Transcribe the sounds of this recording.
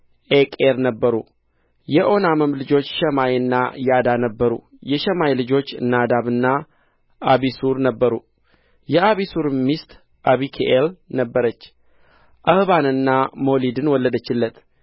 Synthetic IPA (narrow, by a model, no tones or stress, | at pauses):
ʔekʼeɾnəbːəɾu | jɛʔo̞naməmlɨd͡ʒo̞t͡ʃːʃɛmajɨnːa̰jad̪anəbːəɾṵ | jɛʃɛmajlɨd͡ʒo̞t͡ʃːnad̪aβɨnːa | ʔaβisuɾnəbːəɾu | jɛaβisuɾmist̪ | ʔaβikʰeʔelnəbːəɾət͡ʃː | ʔəhβanɨnːamo̞lid̪ɨnwɔlːəd̪ət͡ʃːɪlːət̪